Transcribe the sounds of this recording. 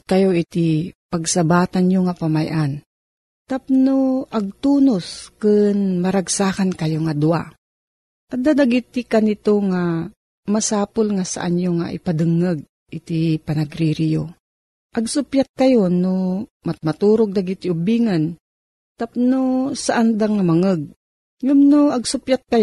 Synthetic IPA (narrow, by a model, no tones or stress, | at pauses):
kɐjoʔɪt̪ipaɡsabaːt̪anɲoŋapamajʔan | t̪ap̚noʔɐɡ̚t̪uːnoskɨnmɐɾaɡsaːkankɐjoŋad̪ʊa̰ | ʔɐd̪ad̪aɡit̪ɪkanɪt̪oŋa | masaːpolŋasa̰ʔaɲjoŋa̰ʔɪ̰pad̪ɨŋəɡ̚ | ʔɪt̪ipɐnɐɡɾiɾijo̰ | ʔɐɡsʊpjat̪̚kɐjonomamat̪uːɾoɡ̚d̪aɡɪt̪ɪʊbiːŋan | t̪ap̚nosaʔand̪aŋamɐŋəɡ̚ | ŋʊmnoɐɡsʊpjat̪̚kɐj